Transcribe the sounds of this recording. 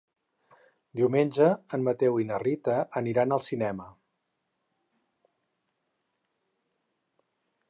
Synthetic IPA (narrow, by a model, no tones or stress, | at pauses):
d̪iwmenʲʒəːnmət̪ɛwinərit̪əəniɾanəlˠsinɛmə